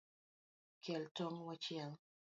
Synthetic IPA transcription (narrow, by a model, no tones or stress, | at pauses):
kjɛltɔŋwat͡ʃiaŋ